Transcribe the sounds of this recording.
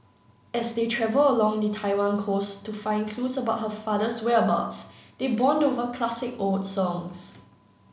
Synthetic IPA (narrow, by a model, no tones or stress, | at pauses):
ɛsdetʰɹɛvələlɔ̃ŋdətʰaɪwãnkʰostʰufãɪ̃nkʰlusəbaʊt̚ɦəfadəswɛba̰tsd̥ebɔ̃ndovəkʰlasɪkoldsɔ̃ŋs